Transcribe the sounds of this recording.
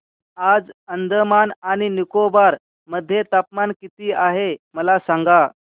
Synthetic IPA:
ad͡zənd̪ʱəmanaɽ̃inikobaɾ | məd̪ʱːjet̪apmankit̪iːaɦeməlasaŋɡa

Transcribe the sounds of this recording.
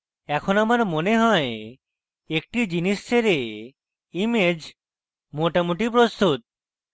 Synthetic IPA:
ɛkʰonamaɾmoneɦɔe | ek̚ʈid͡ʑiniʃt͡ɕʰeɾe | imed͡ʑ | moʈamoʈip̬ɾost̪ut̪̚

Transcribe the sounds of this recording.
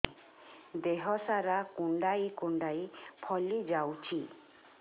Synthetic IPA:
d̪eɦɔsaɾakuɳɖajkuɳɖajpʰɔlid͡ʒawt͡ʃʰi

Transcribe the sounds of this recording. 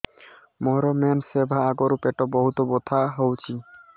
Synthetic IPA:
mɔɦɾɔmensebʱaaɡoɾupeʈɔbɔɦut̪ɔbot̪ʰaɦowt͡ɕʰi

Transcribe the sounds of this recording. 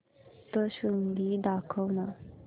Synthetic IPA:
t̪əɕuŋd̪id̪akʰəwna

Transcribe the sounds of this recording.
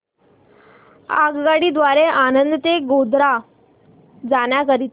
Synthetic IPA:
a̰ɡɡaɽiːd̪ʋaɾeʔanənd̪ət̪eɡod̪ɾa | d͡zaɳjakəɾit̪

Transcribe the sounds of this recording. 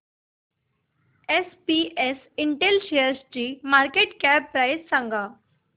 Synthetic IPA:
espies | ɪɳʈelʃejəɾsd͡ʑiːmaːɾkeːʈkɛːpːɾaɪssãŋɡaː

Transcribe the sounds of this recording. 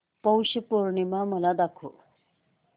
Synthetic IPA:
pəwɕəpoɾɳimaməlad̪akʰo̰

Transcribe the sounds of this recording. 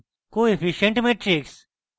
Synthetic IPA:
koːefiʃẽɳʈmeʈɾiks

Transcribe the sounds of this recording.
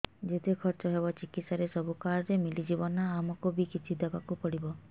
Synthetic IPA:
d͡ʒet̪ekʰɔɾt͡ʃɔɦebɔt͡ʃikit̪saɾesɔbʱukaɾɾemilid͡ʒibɔnːaːmɔkubikit͡ʃʰid̪ɔbakupɔɽibɔ

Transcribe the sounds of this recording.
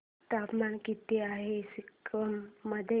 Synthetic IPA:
t̪apmankit̪iaɦesikɾəmːəd̪ʱe

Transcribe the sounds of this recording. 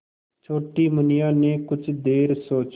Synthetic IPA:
t͡ʃʰoːʈiːmʊnɪjaːneːkʊt͡ʃʰd̪eːɾsoːt͡ʃ

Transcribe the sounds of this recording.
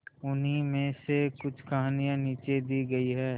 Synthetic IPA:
ʊnɦimẽsekʊt͡ʃʰkɐɦaːnijãniːt͡ʃed̪iːɡɐiɦɛː

